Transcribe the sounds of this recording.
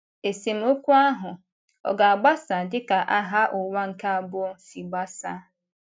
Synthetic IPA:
e˨si˨m̩˦o˦kʷu˦a˦ɦʊ˨ | ɔ̰˨ɡa˨a˨ɡ͡ba˦sa˨dɪ˦ka˨ʔa˦ɦa˦ʔʊ˨wa˦ŋ̩˨ka˦a˨bʊ˦si˨ɡ͡ba˦sa˦

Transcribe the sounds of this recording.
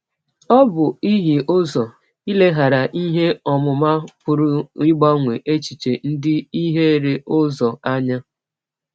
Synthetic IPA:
ɔ˦bʊ˨i˦ɦi˨ʔo˦zɔ˨ | i˦le˦ɦa˨ɾa˨ʔi˦ɦe˦ɔ˨mʊ˨ma˦pʊ˨ɾʊ˦ɪ˦ɡ͡bɔ˦ŋʷe˨ʔe˦t͡ʃi˨t͡ʃe˨n̩˦dɪ˦i˦ɦe˦˨ɾe˨ʔo˦zɔ˨a˦ɲa˦

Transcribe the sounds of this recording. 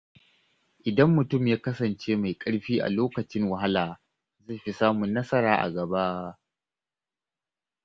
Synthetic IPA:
ʔɪ˨dɐ˦mːʊ˨tʊ˦˨mjaː˦kɐ˦sɐ˨nt͡ʃeː˦ma˨jkʼɐ˦ɽɸiː˦ʔa̰˨loː˦kɐ˨t͡ʃɪ˦ŋwɐ˨ɦa˦laː˨ | za˦˨ɸi˦saː˦mʊ˨nːɐ˦sɐ˦ɾaː˨ʔa̰˨ɡɐ˨ba˦ʔ

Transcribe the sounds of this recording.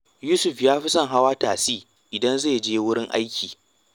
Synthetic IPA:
juː˦sʊ˨ɸjaː˦ɸi˦sɐ˦ŋɦa˦waː˦taː˨siː˦ | ʔɪ˨dɐ˦nzeː˦˨d͡ʒeː˦wʊ˦ɽɪ˦ŋʔa̰˦jkʲiː˨

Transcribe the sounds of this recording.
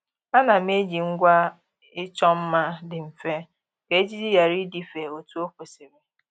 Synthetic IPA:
a˦na˨m̩˦e˦d͡ʒi˨ŋ̩˦ɡʷa˦ | ɪ˦t͡ʃɔ˦m̩˦ma˦dɪ˨m̩˨fe˦ | ke˦d͡ʒi˦di˦ja˨ɾi˦di˨fe˨o˨tu˦o˦ko˨si˨ɾe˨

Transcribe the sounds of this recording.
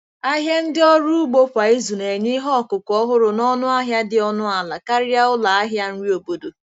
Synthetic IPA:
a˦ɦja˦n̩˦dɪ˦ɔ˦ɾu˦u˦ɡ͡bo˦kʷa˨i˦zu˨ne˨ɲɪ˦ɦɔ˦˨kʊ˨kɔ˦ɦʊ˦ɾʊ˨nɔ˦nʊ˦a˦ɦja˦dɪ˨ɔ˦nʊ˦a˨la˨ka˦ɾɪ˦a˦ʊ˦la˨a˦ɦja˦n̩˦ɾi˦o˨bo˨do˨

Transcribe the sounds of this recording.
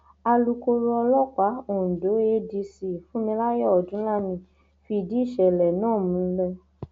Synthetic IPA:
a˧lu˧ko˧ɾu˦ɔ˧lɔ˦ka˨˦õ˦˨do˨˦e˧˦di˧si˨fũ˦mĩ˧la˦jɔ˦˨dũ˨˦la˦mĩ˧ | fi˧i˧˨di˨˦i˦˨ʃɛ˨lɛ˨nãː˦˨mũ˧˦lɛ˦

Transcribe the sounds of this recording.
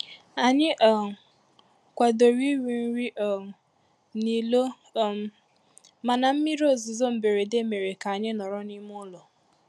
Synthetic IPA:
a˨ɲɪ˦ʔ | kʷa˨do˨ɾi˦wi˨n̩˦ɾi˦ʔ | ni˨lo˦˨ | ma˨na˨m̩˦mi˦ɾo˦˨zu˨zo˦m̩˨be˨ɾe˨de˦me˨ɾe˨ka˨a˨ɲɪ˦nɔ˨ɾɔ˦ni˦m˦ʊ˦lɔ˨

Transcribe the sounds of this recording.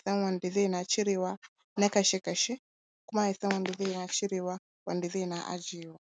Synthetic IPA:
θa˦ŋwa˨ndi˨ðɛ˦˨na˨t͡ʃi˦ɾi˦wa˦ | na˦ka˨ʃɛ˦ka˨ʃɛ˦ | ku˦ma˦i˨θa˦ŋwa˨ndi˨ðɛ˦˨na˨t͡ʃi˦ɾi˨wa˦ | wa̰˨ndi˨ðɛ˦˨na˨ʔa̰˦d͡ʒi˨wa˨

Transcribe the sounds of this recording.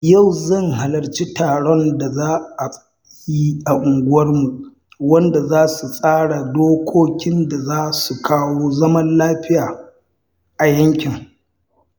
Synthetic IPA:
ja˦˨wzɐ˦ŋɦa˨lɐ˨rt͡ʃi˦taː˨ɽɔ˦nda˨zaː˦a˨ | ji˦ʔa˨ʔʊ˨ŋɡʷʊ˦wɐ˦rmu˨ʔ | wɐ˦nda˨zaː˦su˨sʼaː˦ɽa˨doː˦kʷʰoː˦kʲɪ˦nda˨zaː˦su˨kaː˦woː˦zɐ˦mɐ˦nlaː˦ɸɪ˦jaː˨ | ʔa˨jɐ˦ŋkʲɪ˨ŋ

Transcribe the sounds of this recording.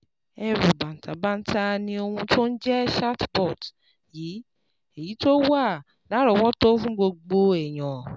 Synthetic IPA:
ɛ˧ɾu˨ba˨n̩˨tʰa˨˦ba˦n̩˦tʰa˧nĩ˧o˧hũ˧tʰo˦n̩˦d͡ʒɛ˦ʃa˦tbɔ˦˨t | ji˨˦ | e˨ji˨˦to˦wa˦˨ | la˨˦ɾɔ˧wɔ˦to˦fũ˦ɡ͡bo˧ɡ͡bo˧ɛ˨j̃ɔ̃˨

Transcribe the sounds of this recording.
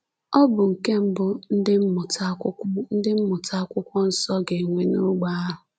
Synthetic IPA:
ɔ˦bʊ˨ŋ̩˨ke˦m̩˦bʊ˦n̩˦dɪ˦m̩˦mʊ˨ta˦kʊ˦n̩˦dɪ˦m̩˦mʊ˨ta˦kʷʊ˦kʷɔ˦n̩˦sɔ˦ɡe˨ŋʷe˨no˦ɡ͡ba˦a˦ɦʊ˨

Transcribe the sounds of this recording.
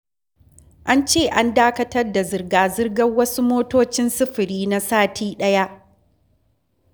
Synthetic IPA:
ʔa˦nt͡ʃeː˦˨ʔa˦ndaː˦kɐ˦tɐ˦rda˨zɪ˨rɡaː˨zɪ˦rɡɐ˦wɐ˦su˦moː˦toː˦t͡ʃɪ˦nsɪ˦ɸɪ˨ɾiː˦na˦saː˦tʰiː˦ɗɐ˦ja˦ʔ

